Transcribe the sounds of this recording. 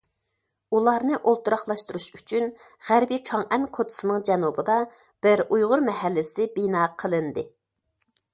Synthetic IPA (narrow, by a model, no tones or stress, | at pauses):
ulˠɑɾnɨʔolˠt̪uɾɑχlˠɑʃt̪uɾuʃyt͡ʃʰyn | ʁæɾbit͡ʃʰɑŋɛnkʰot̪ʰʊ̥sɨnɨŋd͡ʒɛnubɨd̪ɑ | b̥ɪɾujʁʊɾmɛɦɛlːɪsɪbinɑːqʰəlˠɨnd̪ɨ